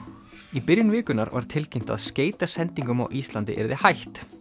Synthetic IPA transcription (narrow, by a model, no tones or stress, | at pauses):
ipɪɾjʏnvɪːkʏnaɾva̰ɾ̥t̪ʰɪlcejm̥t̪a̰ðsceːjt̪asɛnt̪iŋkʏmawʔist̪lant̪ɪ̰ʔɛ̰ɾɪðɪhajht̪